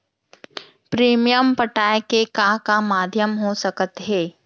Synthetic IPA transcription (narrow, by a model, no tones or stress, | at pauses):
pɾiːmijəmpəʈaːekekãkamaːd̪ʱjəmɦosɐkət̪ɦeː